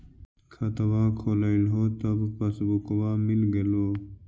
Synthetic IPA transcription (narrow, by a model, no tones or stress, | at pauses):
kʰɐt̪ɐwaːkʰoːlailɦoːt̪ɐbpɐsbukwaːmilɡeloː